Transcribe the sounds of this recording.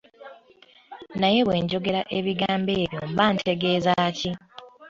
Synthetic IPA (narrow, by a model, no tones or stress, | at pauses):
naje̞βwe̞ːɲɟo̞ɡe̞ɾaʔe̞βiɡaːmbe̞ːβjo̞mbaːntʰe̞ɡe̞ːzaːci